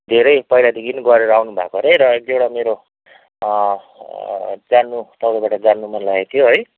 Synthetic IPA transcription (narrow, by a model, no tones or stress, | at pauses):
d̪ʱeɾʌjpʌilad̪iɡiniɡʌɾeɾʌawnubʱa̰koɾejɾʌek̚d̪ewɽameɾo | d͡zanːut̪ʌwɾabaʈʌd͡zanːumʌnlaet̪ʰijoɦʌj